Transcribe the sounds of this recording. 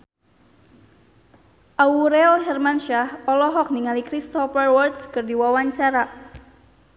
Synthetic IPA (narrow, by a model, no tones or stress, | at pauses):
ʔauɾɛlɦɛrmanʃahɔlɔɦɔk̚niŋalikɾist̪ɔpərwɔrdskərdiwawaɲt͡ʃaɾa